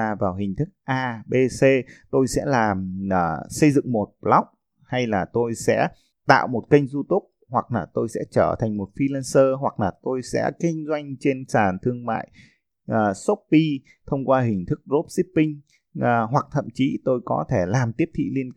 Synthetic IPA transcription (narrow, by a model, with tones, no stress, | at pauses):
vaː˨˩wɦï˨˩ŋ̟t̪ʰɨ˦˥k̚ʔaː˧ɓe˧se˧t̪o˧jsɛ̰˧˥laː˨˩mʔəː˨˩sə˧jzɨ̰˧˨ŋmo˨˩t̚la˦˥wk͡p̚ | ha˧jlaː˨˩t̪o˧jsɛ̰˧˥ | t̪a̰ː˧˨wmo˨˩t̚kə˧jŋ̟zu˧t̪ʊ˦˥k͡p̚hwa˨˩k̚laː˨˩t̪o˧jsɛ̰˧˥t͡ɕəː˧˩t̪ʰa˨˩jŋ̟mo˨˩t̚fi˧la˧nsəː˧ɦwa˨˩k̚laː˨˩t̪o˧jsɛ̰˧˥kï˧ŋ̟zwa˧jŋ̟t͡ɕe˧nsaː˧˨˩nt̪ʰɨ˧əŋma̰ː˧˨j | ʔəː˨˩so˦˥p̚pi˧ | t̪ʰə˧wŋ͡mkwaː˧ɦï˨˩ŋ̟t̪ʰɨ˦˥k̚zo˦˥p̚si˦˥pːï˧ŋ̟ː˨˩ | ɦwa˨˩k̚t̪ʰə̰˧˨mt͡ɕi˨˦t̪o˧jkɔ˨˦t̪ʰe˧˩laː˨˩mt̪i˦˥əp̚t̪ʰḭ˧˨li˧ən